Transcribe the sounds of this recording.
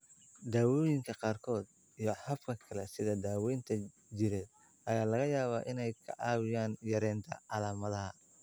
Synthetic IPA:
d̪aːwɔːjɪŋkʰɐqɑːrkʰɔːd̪ | ijɞħɐfkʰɐkʰɐlɛsɪðɐd̪aːwɛjnt̪ʰɐ | d͡ʒɪɾɛːd̪̚ | ʔɐjaːlɐɣɐjaːβaːʔɪnɛjkʰɐ̰ʔɑːwɪjaːnjɐɾɛːnt̪ʰɐ̰ʔɑlaːmɐðɐɦɐ

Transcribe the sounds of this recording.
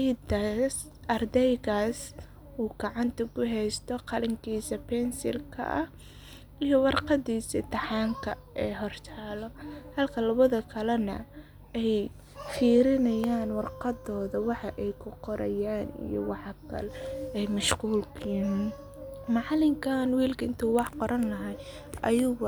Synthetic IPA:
jd̪as | ʔɐrd̪ɛjɣaːs | uːɡ̥ɑʕɑnt̪ʰɐkʰʊɦɛjst̪ʰɔqɑlɪŋkʰiːsɐpʰɛnsɪ̰lkʰɐ̰ʔɐh | ijɞwɑrqɑd̪iːsɐt̪ʰɐħɑːŋkʰɐ | ɛːɦɔrt̪ʰaːlɔhɐlkʰɐlɐβɐðɐkʰɐlɐnɐ̰ | ɛj | fiːɾɪnɐjaːnwɑrqɑd̪ɔːðɐwɑħɑʔɛjkʰʊqɔɾʔɐjaːnḭjɔ̰wɑħɑkʰɐ̰lɛɛjmɐʃquːlkʰiːn | mɑʕlɪŋkʰanwiːlkʰɐɪnt̪ʰuːwɑħqɔɾɐnlɐɦɐj | ʔɐjʊɣʊ

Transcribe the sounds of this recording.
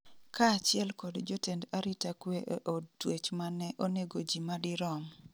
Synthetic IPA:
kaːt͡ʃɪɛlkɔdd͡ʒotendaɾitakweʔʔotwet͡ʃmanɛʔoneɡod͡ʒimadɪɾɔm

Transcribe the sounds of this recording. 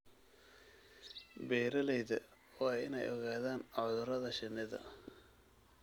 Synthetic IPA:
bɛːɾɐlɛjðɐ̰ | waːjɪ̰nɛ̰jʔɔɣaːðaːnɔðʊɾɐðɐʃɪnɪðɐ̰

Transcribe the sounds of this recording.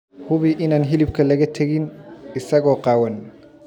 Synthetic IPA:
hʊβiʔɪnaːnɦɪlɪb̚kʰɐlɐɣɐt̪ʰɐɣɪnɪsɐɣɔːqɑːwɐn

